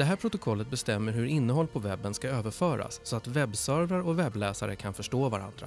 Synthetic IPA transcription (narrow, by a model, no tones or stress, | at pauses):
d̪̥ɛɦæːɾpʰɾʊt̪ʊkʰɔlːət̪̚bɛst̪ɛmːəɾɦɵɾɪnːəɦɔlːpʰɔvɛbːənskaøːvəɾfœːɾa̰sːɔat̪vɛbːsœɾvɾaɾɔvɛblɛːsa̰ɾə̰kʰanfœʂʈoːvaɾa̰nd̪ɾa̰